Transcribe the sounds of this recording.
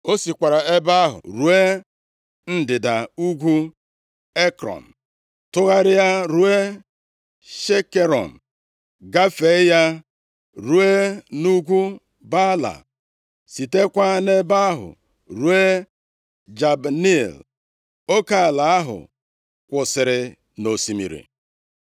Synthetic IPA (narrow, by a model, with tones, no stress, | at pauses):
o˦si˨kʷa˨ɾa˨e˦ba˦ɦʊ̰˨ɾu˨˦e˦ | n̩˦dɪ˨da˨u˦ɡʷu˦ | e˦kɾɔ̰˨n̩˨ | tʊ˦ɣa˦ɾɪ˦ja˦ɾu˦e˦ | ʃe˦ke˦ɾɔ̰˨n̩˨ | ɡa˦fe˨˦ja˦ | ɾu˦e˦nu˦ɡʷu˦ | ba˦la̰˨ | si˨te˦kʷa˦ne˦ba˦a˦ɦʊ̰˨ | ɾu˨˦e˦ | d͡ʒa˨bni˦l | o˦ka˦˨la˨a˦ɦʊ̰˨ | kʷʊ˨sɪ˨ɾɪ˨ | no˨si˨mḭ˨ɾḭ˨